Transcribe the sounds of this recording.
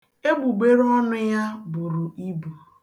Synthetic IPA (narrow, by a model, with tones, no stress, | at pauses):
e˦ɡ͡bu˨ɡ͡be˦ɾɔ˦nʊ˦ja˦bʊ˨ɾʊ˨i˦bu˨